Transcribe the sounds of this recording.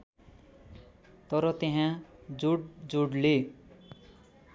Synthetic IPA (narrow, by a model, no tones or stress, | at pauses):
t̪ʌɾʌt̪eɦãd͡zuɽd͡zuɽle